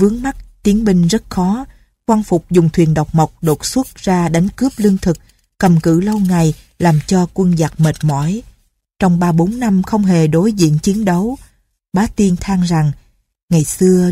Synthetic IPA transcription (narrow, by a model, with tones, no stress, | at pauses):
vɨ˨˦əŋma˦˥t̚t̪i˨˦ənɓï˧ŋ̟zə˦˥t̚xɔ˨˦ | kwaː˧ŋfʊ˨˩k͡p̚zʊ˨˩ŋ͡mt̪ʰwi˨˩ənɗa˨˩wk͡p̚ma˨˩wk͡p̚ɗo˨˩t̚swə˦˥t̚zaː˧ɗa˨˦jŋ̟kɨ˦˥əp̚lɨ˧əŋt̪ʰɨ˨˩k̚ː | ə˨˩mkɨ̰˧˨lə˧wŋa˨˩j | laː˨˩mt͡ɕɔ˧kwə˧nzaː˨˩k̚mə˨˩t̚mɔ̰˧˥˨j | t͡ɕɔ˧wŋ͡mɓaː˧ɓo˨˦nːa˧mxə˧wŋ͡mɦe˨˩ɗo˨˦jzḭ˧˨ənt͡ɕi˨˦ənɗə˨˦w | ɓaː˨˦t̪i˧nt̪ʰaː˧ŋza˨˩ŋ | ŋa˨˩jsɨ˧ə